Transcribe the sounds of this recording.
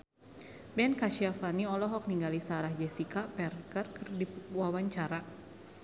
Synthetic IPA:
bɛnkaʃiafaniɔlɔɦɔk̚niŋɡalisaɾahd͡ʒɛsikapɛrkərkərdiwawaɲt͡ʃaɾa

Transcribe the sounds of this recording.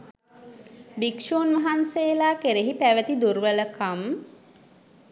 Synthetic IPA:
bikʃoːnʋaɦanseːlaːkeɾeɦipæʋət̪id̪uɾʋələkam

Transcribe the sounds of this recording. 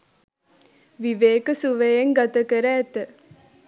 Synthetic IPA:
ʋiʋeːkəsuʋejeŋɡat̪ɐkəɾæːt̪ə

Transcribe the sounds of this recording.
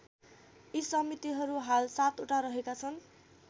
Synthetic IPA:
isʌmit̪iɦʌɾuɦalsat̪uʈaɾʌɦekat͡sʰʌn

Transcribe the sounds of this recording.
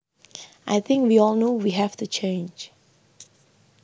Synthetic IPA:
ʔaɪθɪ̃ŋkwiɔlˠnowiɦɛftut͡ʃʰẽɪnd͡ʒ

